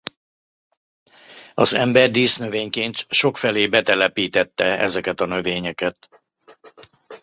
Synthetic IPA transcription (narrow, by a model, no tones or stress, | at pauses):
ɒzɛmbɛrd̪iːsnøveːɲkeːnt̪ʃo̞kfɛleːbɛt̪ɛlɛpiːt̪ɛt̪ːɛɛ̰zɛkɛt̪ɒnø̞veːɲɛkɛt̪